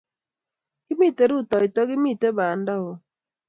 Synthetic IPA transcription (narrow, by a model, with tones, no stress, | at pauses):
ki˦mi˦˨te˨ɾu˦˨tɔ˨i˨tɔ˦ɡi˦mi˦˨te˦baː˨n˦da˦o˨